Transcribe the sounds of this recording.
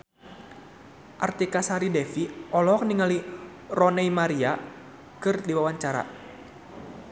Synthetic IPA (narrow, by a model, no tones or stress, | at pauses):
ʔart̪ikasaɾidɛfiʔɔlɔk̚niŋali | rɔnɛimaɾia | kɨrdiwawaɲt͡ʃaɾa̰